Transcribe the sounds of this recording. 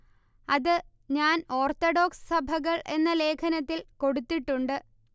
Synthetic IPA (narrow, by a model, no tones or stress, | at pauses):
ɐðɨ | ɲaːno̞ːrt̪oɖo̞ːksɨ̥sɐbʱɐɣɐɭʔe̞nːɐle̞ːkʰɐnɐt̪ːilko̞ɽut̪ːiʈːuɳɖɨ